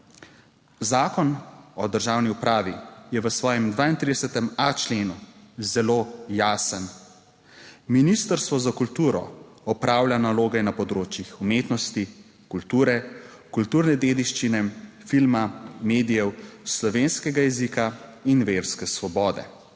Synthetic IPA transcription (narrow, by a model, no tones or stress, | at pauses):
zaːkɔnɔd̪əɾʒaːwniupɾaːʋijɛʋəsʋɔːjɛmd̪ʋaːint̪ɾid̪ɛsɛt̪ɛmat͡ʃleːnuzɛloːjaːsən | minist̪əɾst̪ʋɔzakult̪uːɾɔ̰ | ɔpɾaːwlʲjʲanaloːɡɛnapɔd̪ɾoːt͡ʃjixumeːt̪nɔst̪i | kult̪uːɾɛ | kult̪uːɾnɛd̪eːd̪iʃt͡ʃinɛfilmameːd̪ijɛwslɔʋeːnskɛɡajɛzikainʋeːɾskɛsʋɔbɔːd̪ɛ̰